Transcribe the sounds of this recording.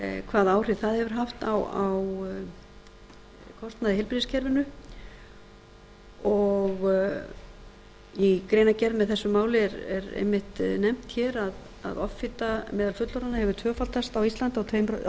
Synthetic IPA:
kʰvaːðaːwr̥ɪðθaðhɛvʏɾ̥ɦaft̪awaw | kʰɔst̪naðɪhɪlpɾiðɪscʰɛɾvɪnʏ | ɔɣ | ikɾeːjnacɛɾðmɛðθɛsːʏmaːwlɪɛɾɛ̰ɾḛjmːɪht̪nɛm̥t̪çɛːɾað | a̰ðɔfɪt̪amɛːðalfʏt̪lɔɾanːahɛvʏt̪ʰœːfalt̪ast̪awist̪lant̪awt̪ʰeːjmɾ

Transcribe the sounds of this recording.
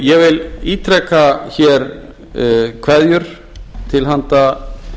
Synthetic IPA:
jɛɣvɪliːt̪ʰɾɛkːaçɛɾ | kʰvɛðjʏɾ̥ | t̪ʰɪlɦant̪a

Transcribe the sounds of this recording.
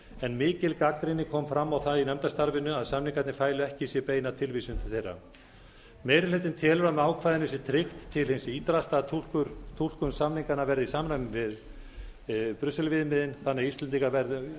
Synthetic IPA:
ɛnmɪːcɪlkakɾɪnːɪkʰɔmfɾamːawθaðinɛmt̪ast̪aɾvɪnʏaðsamniŋkat̪nɪfaːjlʏɛhcɪisjɛpeːjnat̪ʰɪlvisʏmt̪ʰɪlθejrːa̰ | meːjɾɪlɪt̪̬ɪnt̪ʰɛːlʏɾamɛaːwkʰvajðɪnɪsɪt̪ʰɾɪxt̪ʰːɪlhensɪiːt̪ɾast̪at̪ʰukʏɾt̪ʰul̥kʏnsamniŋkanavɛɾðɪisaːmnamvɪð | pɾʏsɛlvɪðmɪðɪnθanːɛɣist̪lɛnt̪iŋkavɛɾðʏ

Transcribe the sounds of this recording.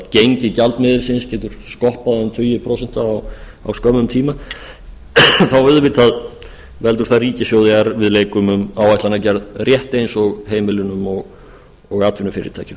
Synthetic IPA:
cejɲcɪcalt̪mɪðɪlsɪnscɛːt̪ʏɾ̥skɔhpaðʏmt̪ʰʏjɪpʰɾowsɛn̥t̪aːw | a̰wskœmʏmt̪ʰiːma | θawvɛðvɪɾt̪ʰað | vɛlt̪ʏɾ̥θaðriːcɪsjowðɪaɾvɪðleːjkʏmʏmawajht̪anacɛɾðrjɛht̪ejnsɔɣɦeːjmɪlʏnʏmɔɣ | ɔɣaːt̪vɪnʏfɪːɾɪ̰t̪ʰaːjcɪ

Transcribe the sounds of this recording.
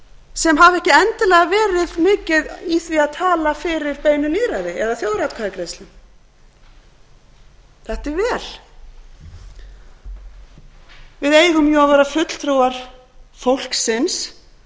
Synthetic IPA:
sɛmɦavɛhcɪɛnt̪ɪlɛɣavɛːɾɪðmɪːcɪðiθviaðt̪ʰaːlafɪɾɪɾ̥pejnʏliːɾaðɪɛðaθjoːwðɾat̪kʰaðɪkɾejst̪lɪm | θɛht̪ɛɾvɛːl̥ | vɪðeːjðʏmjɔavɛɾafʏt̪l̥t̪ʰɾuaɾ̥ | fowl̥ksɪns

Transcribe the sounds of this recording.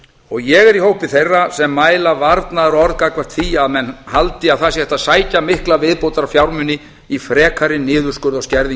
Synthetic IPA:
ɔɣjɛɣɛɾihowhpɪθejrːasɛmːaːjlavaɾt̪naðaɾɔɾðkakvḁt̪θiaðmɛnhalt̪ɪawθasjhɛht̪asaːjcamɪhklavɪðpowt̪aɾafjawɾmʏnːɪ | ifɾɛːkʰaɾɪnɪːðʏɾ̥skʏɾðawscɛɾði

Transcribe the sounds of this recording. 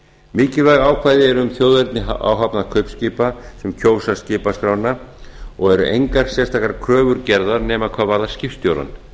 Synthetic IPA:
mɪːcɪvɛɣaːwkʰvajðɪɛɾʏʏmθjoːwðɛɾt̪nɪaa̰ːwɦapnakʰœɥpscɪːpasɛmcʰoːwsascɪːpaskɾaːwnaɔɣɛɾʏ̰ʔḛjŋkaɾ̥sjɛst̪ʰaːkaɾkʰɾœːvʏɾcɛɾðaɾnɛːmakʰvaːvaɾðascɪfst̪joːwɾða̰n

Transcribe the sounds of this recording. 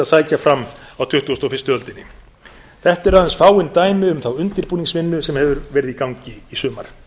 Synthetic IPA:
aðsaːjcafɾamːawt̪ʰʏht̪uːst̪ɔfɪ̥rst̪ʏœlt̪ɪnːɪ | θɛht̪ɛɾaðɛnsfaːwɪnt̪aːjmɪʏmθawʏnt̪ɪɾpuːniŋsvɪnːʏsɛmhɛvʏɾvɛːɾɪðikawɲcɪisœːma̰ɾ̥

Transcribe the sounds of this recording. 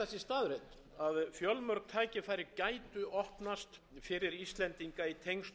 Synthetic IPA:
ɛsɪst̪aːðɾet̪ | aðfjœlmœɾk̚t̪ʰaːjcɪfajɾɪcaːjt̪ʏɔhpnast̪ | fɪɾɪɾist̪lɛnt̪iŋkait̪ʰejŋst̪

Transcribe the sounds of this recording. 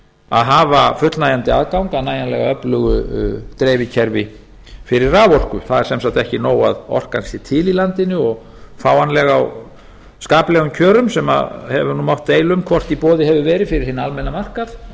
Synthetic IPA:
a̰ðɦaːvafʏt̪lnaːjant̪ɪaðkawŋkaðnaːjanlɛɣaœplʏɣʏt̪ɾeːjvɪcʰɛɾvɪ | fɪɾɪɾraːvɔr̥kʏθaðɛɾ̥sɛmsawt̪ɛhcɪnoːwa̰ðɔ̰r̥kansjɪt̪ʰɪlilant̪ɪnːʏɔɣ | faːwanlɛɣaw | skaːplɛɣʏmcʰœːɾʏmsɛma̰hɛvʏnumawht̪ːejlʏmkʰvɔr̥t̪ipɔːðɪɦɛvʏvɛːɾɪfɪɾɪɾ̥hɪnaalmɛnːamar̥kaθ

